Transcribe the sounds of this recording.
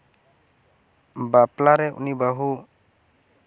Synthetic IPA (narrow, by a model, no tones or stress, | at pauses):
baplaɾɛʔṵnibaɦu